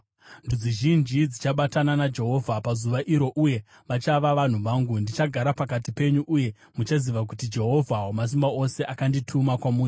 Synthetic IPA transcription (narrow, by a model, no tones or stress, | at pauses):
ndud͡ziʒind͡ʒid͡zit͡ʃaɓatananad͡ʒe̞ɦo̞vʱapazuʋaʔiɾo̞ʔuje̞ | ʋat͡ʃaʋaʋan̤uʋaːŋɡundit͡ʃaɡʱaɾapakatipe̞ɲuʔuje̞ | mut͡ʃaziʋak̬utid͡ʒe̞ɦo̞vʱaɦomas̬imbao̞se̞ʔakanditʰumakwamuːnu